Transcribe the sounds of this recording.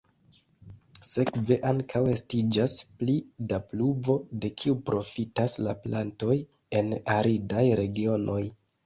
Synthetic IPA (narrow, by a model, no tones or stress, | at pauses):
se̞kve̞ʔaŋkʰawe̞stid͡ʒasplidapluvo̞de̞kʰiupɾʔo̞fitaslaplanto̞j | e̞naɾidajɾe̞ɡio̞nʔo̞j